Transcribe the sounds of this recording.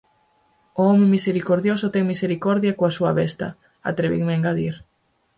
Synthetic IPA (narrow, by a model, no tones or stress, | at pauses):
ʊɔmemiseɾikoɾðjosʊt̪ɛŋmiseɾikɔɾðjakoasuɐβɛst̪ɐ̰ | a̰t̪ɾeβḭŋmeeŋɡaðiɾ